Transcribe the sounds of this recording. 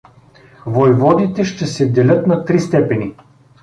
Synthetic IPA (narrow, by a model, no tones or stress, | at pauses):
vojvɔd̪it̪ɛʃt̪ɛsɛd̪ɛlʲɤt̪nɐt̪ɾist̪ɛpɛni